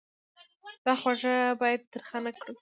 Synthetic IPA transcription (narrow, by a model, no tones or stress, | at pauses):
d̪̥ɑxwaʐabɑjad̪̚ːəɾxanakɽu